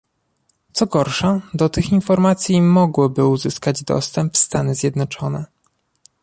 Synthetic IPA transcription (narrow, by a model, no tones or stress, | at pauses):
t̪sɔɡɔɾʂad̪ɔt̪ɘxinfɔɾmat̪sʲjimɔɡwɔbɘuzɘskad͡ʑd̪ɔ̰st̪ɛmpfst̪anɘzʲjɛd̪nɔt͡ʂɔnɛ